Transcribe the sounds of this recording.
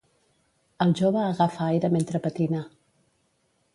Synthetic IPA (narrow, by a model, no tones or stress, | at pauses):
əlˠʒoβəːɣafaajɾəment̪ɾəpət̪ina